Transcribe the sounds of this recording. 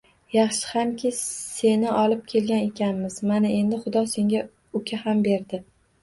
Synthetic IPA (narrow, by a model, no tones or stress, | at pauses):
jɑχʃɪ̥hamkʲʰɪse̞nɪʔɒlˠɪp̚kʲʰe̞lɡʲane̞kʲʰanmɪz̥manae̞nd̪ɪχʊd̪ɒse̞ŋɡʲa | ʊkʲʰahambe̞ɾd̪ɪ